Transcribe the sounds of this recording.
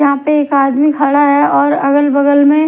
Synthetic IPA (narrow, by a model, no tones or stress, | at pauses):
ɐɦãpeeːkaːd̪mikʰaɽaɦɛɔːɾɐɡəlbɐɡəlmẽ